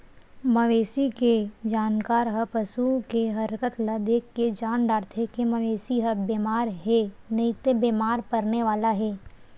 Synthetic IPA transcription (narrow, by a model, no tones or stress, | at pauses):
mɐʋeːsiked͡ʒaːnkaːɾɦəpəsukeɦɐɾkət̪lɐd̪eːkːed͡ʒaːnɖaːɾt̪ʰɦekemɐʋeːsiɦɐbeːmaːɾɦɛnɐit̪ebeːmaːɾpɐɾneʋaːlaɦɛː